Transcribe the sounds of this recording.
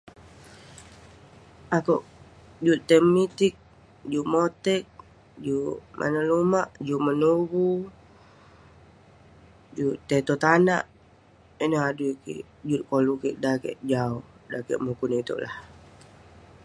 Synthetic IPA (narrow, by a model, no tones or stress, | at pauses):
akoʔ | d͡ʒut̪ːemit̪ik̚ | d͡ʒuʔmot̪ɛk̚ | d͡ʒuʔmʔa̰nəlumaʔd͡ʒuʔmənuɡu | d͡ʒuʔt̪ːet̪ot̪ana̰ʔ | inəɦadukḭʔ | d͡ʒut̪̚kolukiʔdakɛ̰ʔd͡ʒaudakɛ̰ʔmukunit̪o̰ʔlah